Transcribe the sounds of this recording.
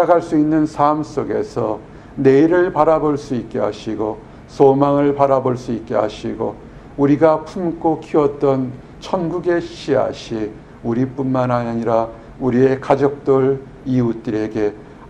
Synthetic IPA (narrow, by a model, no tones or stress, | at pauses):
aɡaɭs͈uinːɯnsʰams͈oɡe̞̰sʰʌ | ne̞iɾɯɭpaɾaboɭs͈uit̚k͈e̞ɦa̰ɕʰiɡo | somaŋɯɭpaɾaboɭs͈uit̚k͈e̞̰a̰ɕʰiɡo̰ | uɾiɡapʰumk͈okʰiʌt̚t͈ʌn | t͡ɕʰʌnɡuɡe̞ɕ͈ʰia̰ɕʰi | uɾip͈unmanaɲiɾa | uɾie̞kad͡ʑʌk̚t͈ʌɭ | iut͈ɯɾe̞ɡe̞